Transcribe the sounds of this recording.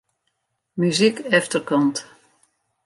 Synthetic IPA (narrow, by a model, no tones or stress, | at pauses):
myzikɛftərkɔnt